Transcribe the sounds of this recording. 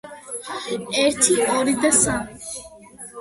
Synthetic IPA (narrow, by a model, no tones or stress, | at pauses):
eɾt̪ʰioɾit̪esa